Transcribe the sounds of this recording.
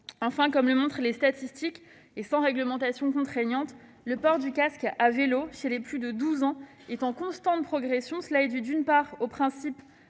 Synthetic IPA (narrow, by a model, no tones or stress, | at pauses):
ɑ̃fɛ̃kɔmləmɔ̃t̪χlest̪at̪ist̪ik | esɑ̃ʁɛɡləmɑ̃t̪asjɔ̃kɔ̃t̪χɛnɑ̃t̪ | ləpɔʁd̪ykaskaveloʃelɛplyd̪əd̪uzɑ̃ | ɛt̪ɑ̃kɔ̃st̪ɑ̃t̪̚pχɔɡʁɛsjɔ̃səlaɛd̪yd̪ynpaʁopχɛ̃sip